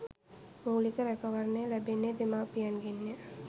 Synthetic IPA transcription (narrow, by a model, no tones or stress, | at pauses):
muːlikəɾɛkɐʋɐɾneːlɛbenːed̪emaːpijɐnɡenːe